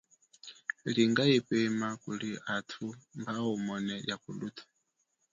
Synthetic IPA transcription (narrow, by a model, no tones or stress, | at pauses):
liŋɡaipɛmakuliatʰumbaɔmɔnɛjakulutʰḁ